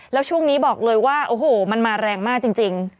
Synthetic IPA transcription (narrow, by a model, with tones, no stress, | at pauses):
lɛː˦˥wt͡ɕʰu˥˩əŋniː˦˥bɔː˨˩k̚lɤː˧jwaː˥˩ʔoː˧˩hoː˨˩ma˧nmaː˧ɾɛː˧ŋmaː˥˩k̚t͡ɕi˧ŋt͡ɕi˧ŋ